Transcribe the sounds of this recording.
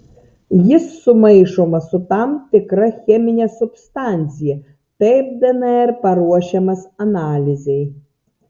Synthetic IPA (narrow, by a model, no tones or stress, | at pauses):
jisːʊmɛjʂɔmɐsʊt̪amt̪ɪkɾɐxʲɛmʲɪnʲɐsʊpst̪anʲt͡sʲijɛ | t̪ɛjp̚d̪ɛnɛɛrpɐɾuɔɕɐmɐsɐnalʲizʲej